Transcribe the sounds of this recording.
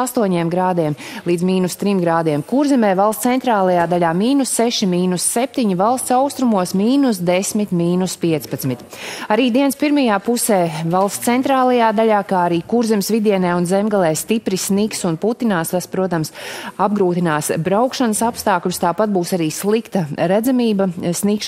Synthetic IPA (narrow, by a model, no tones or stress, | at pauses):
ast̪uɔɲiɛmɡɾaːd̪iɛmlˠiːd̪miːnust̪ɾimɡɾaːd̪iɛmkuɾzɛmɛːvalˠst̪sɛnt̪ɾaːlˠajaːd̪aʎʲaːmiːnusːeʃimiːnusːep̚t̪iɲivalˠst̪saʊst̪ɾumuɔsmiːnusd̪esmit̪miːnuspiɛt̪spat̪smit̪ | aɾiːd̪iɛnspiɾmajaːpusɛːvalˠst̪sɛnt̪ɾaːlˠɐjaːd̪aʎʲaːkaːaɾiːkuɾzɛmsvid̪iɛnɛːunzɛmɡalˠɛːst̪ipɾisniksunput̪inaːst̪aspɾuɔt̪amsab̚ɡɾuːt̪inaːsbɾawkʃanəsapst̪aːklʲust̪aːpat̪̚buːsaɾiːslˠikt̪ɐɾæd̪zamiːbɐsnikʃ